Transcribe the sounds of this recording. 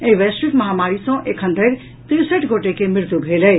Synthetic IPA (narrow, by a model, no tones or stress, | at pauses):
ẽɦʋesʈɾiʈməɦamaɾisə̃ʔekʰənd̪ʱəɪɾ | t̪iɾsəʈɡʱoʈekemɪɾt̪ubʱeləj